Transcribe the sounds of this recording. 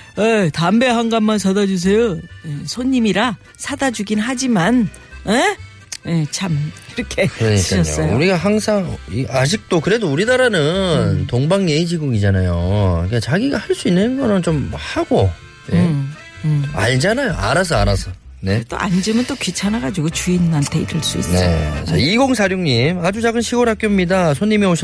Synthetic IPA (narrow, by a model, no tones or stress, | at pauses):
etambe̞ɦaŋɡammːansʰadad͡ʑus̬ʰe̞joesʰoɲːimiɾa | sʰadad͡ʑuɡinɦad͡ʑiman | e | et͡ɕʰamiɾʌkʰe̞kɯɾʌɲiik͈aʌos͈ʌjouɾiɡaɦaŋsʰaŋiad͡ʑik̚t͈okɯɾe̞douɾidaɾanɯntoŋbaŋjeid͡ʑiɡuɡid͡ʑanajoik͈at͡ɕaɡiɡahaɭs͈uinːɯnɡʌnɯnt͡ɕomhaɡo | jḛ | a̰ɭd͡ʑanajoʔa̰ɾas̬ʰʌaɾasʰʌ | ne̞et͈o̰ʔa̰nd͡ʑɯmɯnt͈okɥit͡ɕʰanaɡad͡ʑiɡot͡ɕuinantʰe̞ḭɾɯɭs͈ṵḭsne̞̰t͡ɕa̰iɡoŋsʰaɾjoŋɲimad͡ʑud͡ʑaɡɯnɕʰiɡoɾɦak͈jʌmɲidasʰoɲːimeoɕʰ